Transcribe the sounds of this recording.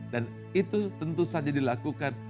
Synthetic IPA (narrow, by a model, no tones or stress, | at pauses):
dan | it̪ut̪ənt̪usad͡ʒadilakukan